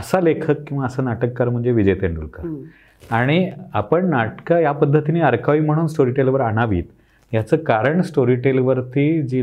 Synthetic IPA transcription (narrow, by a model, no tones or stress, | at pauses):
əsalekʰəkːĩw̃ʋaəsəːnaʈəkːaɾm̤əɳd͡zeʋid͡ʑəjt̪eɳɖṵlka | aɽ̃iapəɳnaʈkajapəd̪ʱːət̪ineəɾkʰaʋiːm̤əɽ̃uːnsʈoɾiʈelʋəɾaɽ̃aʋḭːt̪ | jat͡səːkaɾəɳsʈoɾiːʈelʋəɾt̪id͡ʑiː